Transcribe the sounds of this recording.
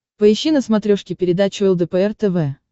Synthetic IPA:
pəɪɕːinəsmɐt̪ɾʲoʂkʲɪpʲɪɾʲɪd̪at͡ɕʊɛlˠd̪əpəɛrt̪ɛvɛ

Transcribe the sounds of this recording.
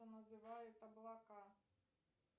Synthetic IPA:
ɐnɐzɪʋɑjɛt̪ɐblˠɑkɑ

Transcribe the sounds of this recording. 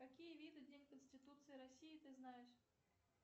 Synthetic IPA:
kakʲijəvʲid̪ɨdʲenʲkənsʲtʲɪt̪ut̪sɨjɪɾasʲijit̪ɨznajɪʂ

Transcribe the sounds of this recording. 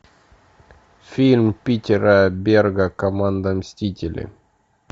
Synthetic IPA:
fʲilʲmpʲitʲɪɾəbʲerɡəkɐmand̪əmsʲtʲitʲɪlʲɪ̰

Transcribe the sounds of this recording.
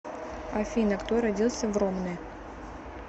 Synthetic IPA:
ɐfʲinəkt̪oɾɐdʲilˠsʲəvromnɨj

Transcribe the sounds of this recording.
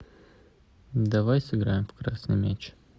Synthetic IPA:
d̪ɐvajsɨɡɾajɪmfkɾasnɨjmʲet͡ɕ

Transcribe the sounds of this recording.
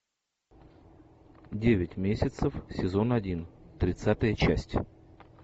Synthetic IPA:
dʲevʲɪtʲmʲesʲɪt̪səfsʲɪzo̞nɐdʲint̪ɾʲɪt̪sat̪əjət͡ɕæsʲtʲ

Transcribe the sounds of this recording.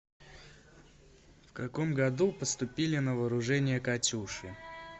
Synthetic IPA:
fkɐkomɡɐd̪upəst̪ʊpʲilʲɪnəvəːɾʊʐɛnʲɪjəkɐtʲuʂɨ

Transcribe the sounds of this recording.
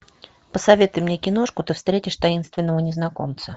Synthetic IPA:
pəsɐvʲe̞t̪ʊjmnʲekʲɪno̞ʂkʊt̪ɨfst̪ɾʲetʲɪʂt̪ɐinst̪vʲɪnːəvənʲɪznɐkomt̪sə

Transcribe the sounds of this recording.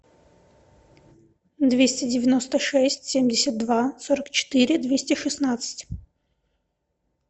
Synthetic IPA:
d̪vʲesʲtʲɪdʲɪvʲɪno̞st̪əʂɛsʲtʲsʲemʲdʲɪsʲət̪̚d̪vasoɾəkt͡ɕɪ̥t̪ɨɾʲɪd̪vʲesʲtʲɪʂɨsnat̪sɨ̥tʲ

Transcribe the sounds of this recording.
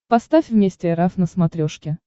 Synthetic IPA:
pɐst̪afʲvmʲesʲtʲɪɛɾafnəsmɐt̪ɾʲoʂkʲɪ

